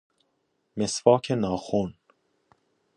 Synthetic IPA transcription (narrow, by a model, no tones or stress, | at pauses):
mesvɒːkʰenɒːxun